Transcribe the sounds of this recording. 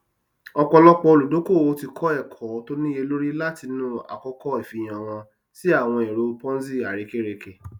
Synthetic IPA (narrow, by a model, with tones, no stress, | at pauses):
ɔ˧k͡pɔ˧lɔ˦k͡pɔ˧o˧lu˨do˨˦ko˦˨o˦ti˧kʰɔ˦ɛ˦˨kʰɔ˨˦to˦nĩ˦je˧lo˦ɾi˦la˦ti˧nũ˦a̰˨kɔ˧kɔ˦i˨fi˨˧j̃ã˨w̃ɔ̃˧ | si˦a˦˨w̃ɔ̃˧e˨ɾo˧pɔ̃˦zi˦˨a˨ɾe˨˦ke˦ɾe˧ke˨